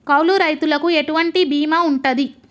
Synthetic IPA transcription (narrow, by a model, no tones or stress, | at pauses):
kɐwluɾɐjt̪ulɐkueʈuʋɐɳʈibiːmauɳʈɐd̪i